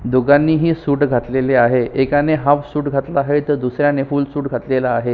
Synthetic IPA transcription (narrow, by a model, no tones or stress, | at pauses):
d̪oɡanːiːɦiːsuːʈɡʱat̪leleaɦeʔekaneɦãpsuːʈɡʱat̪laːɦet̪əɾd̪usɾjanefuːlsuːʈɡʱat̪lelaːɦe